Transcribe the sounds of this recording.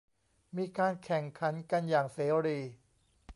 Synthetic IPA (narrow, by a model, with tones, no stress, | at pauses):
miː˧kaː˧nkʰɛ˨˩ŋkʰa˩˦˥nka˧njaː˨˩ŋseː˩˦ɾiː˧